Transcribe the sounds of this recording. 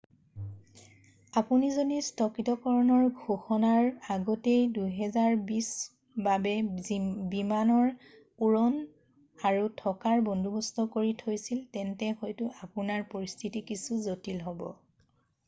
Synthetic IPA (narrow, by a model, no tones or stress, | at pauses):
apunizodistʰɔkɹitɔkɔɹɔnɔɹɡʱoxɔnaɹaɡɔtejdujɦɛzaɹbis | babɛ | bimanɔɹ | uɹɔn | aɹutʰɔkaɹbɔndʱubɔstʰɔkoɹitʰojsiltɛntɛxɔjtʊʔapunaɹpoɹistʰitikisuzotilɦɔbɔ̰